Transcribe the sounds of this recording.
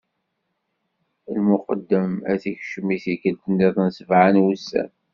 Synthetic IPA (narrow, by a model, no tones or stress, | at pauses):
lmʊqəd̪ːəmæθiçʃəmiθikəld̪ənːiðˤnsəvʕanwusːæ̰n